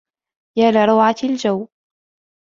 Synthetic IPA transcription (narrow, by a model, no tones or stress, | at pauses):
jaːlaɾˤɑwʕald͡ʒaw